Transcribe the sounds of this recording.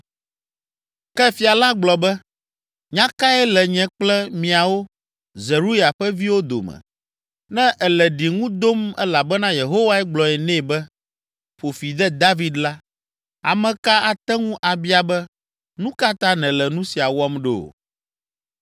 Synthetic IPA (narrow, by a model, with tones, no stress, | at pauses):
kɛ˦fi˨a˨la˦ɡ͡blɔ˨bɛ˦ | ɲã˦ka˦ɛ˦lɛ˨ɲɛ̃˨k͡plɛ˦mĩ˨a˨wo˦ | zɛ˨ɾu˦ja˨ɸɛ˦vi˦wo˦d̪o̰˨mɛ̰̃˨ | nɛ̃˦ʔɛ˨lɛ˨ɖi˨ŋũ˦d̪o˦mɛ̰˦la˨bɛ˦nã˦je˨ɦo˦wa˦ɛ˦ɡ͡blɔ˨ɛ˨nɛ̃˦˨bɛ˦ | ɸo˨fi˨d̪ɛ˦d̪a˦vi˨d̪la˦ | a̰˨mɛ̃˨ka˦a˨t̪ɛ˦ŋũ˦ʔa˨bi˦a˨bɛ˦ | nũ˦ka˦t̪a˦nɛ̃˨lɛ˨nũ˦si˨a˨wɔ˦mɖḛ˨o̰˨